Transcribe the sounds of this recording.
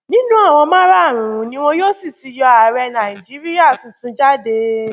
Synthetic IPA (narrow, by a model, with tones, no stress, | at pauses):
nĩ˦nũ˦a˦˨w̃ɔ̃˧mãː˦ɾa˦a˦˨ɾ̃ũ˨ɾũ˨˦nĩ˦w̃ɔ̃˦jo˦si˦˨ti˨˧˦jɔ˧a˨ɾɛ˧nã˨i˨d͡ʒi˨˦ɾi˦a˦˨sũ˨tũ˧d͡ʒa˦de˧